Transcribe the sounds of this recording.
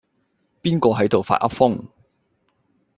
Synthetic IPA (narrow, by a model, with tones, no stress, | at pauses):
piː˥nkɔː˧ɦɐ˨˥jt̪o˨wfa̰ː˧t̚ʔɐ̰˥t̚fʊ˥ŋ